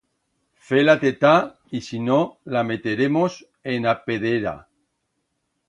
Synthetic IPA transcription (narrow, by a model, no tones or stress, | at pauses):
felat̪et̪a | isinolamet̪eɾemos | enapeðeɾa̰